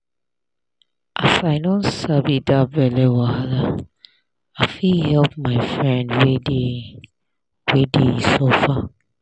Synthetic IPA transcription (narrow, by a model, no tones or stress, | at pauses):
ʔasaɪnɔ̃nsabidabɛlɛwahala | afihɛlpmaɪfɹɛ̃ndwede | wedesofa